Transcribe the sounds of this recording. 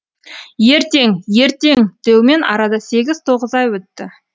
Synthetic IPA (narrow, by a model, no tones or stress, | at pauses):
je̞ɾt̪e̞ŋje̞ɾt̪e̞ŋt̪ʰewme̞nʔɑ̰ɾɑd̪ɑse̞ɡʲɪz̥t̪ʰo̞ʁəzɑjwɵt̪ːɪ